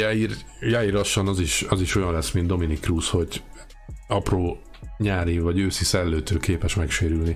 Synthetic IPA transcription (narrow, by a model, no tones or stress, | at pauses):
jairjairlɒʃːɒnɒziʃɒziʃo̞jɒnlɛsmind̪d̪o̞minikːruːsho̞ɟ | ɒproː | ɲaːɾivɒɟøːsisɛlːøːt̪øːkeːpɛʃmɛkʃeːɾylni